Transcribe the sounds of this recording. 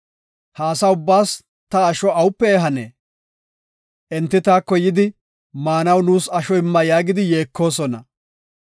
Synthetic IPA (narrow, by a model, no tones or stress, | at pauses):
haːsɐʊbːaːs | t̪ɐːʃɔɐwʊpːɛɛɦɐnḛː | ʔɛnt̪ːɪt̪aːkːɔjɪd̪ɪ | maːnɐwnuːsɐʃɔɪmːɐjaːɡɪd̪ɪje̞ːkʰːo̞ːsɔnɐ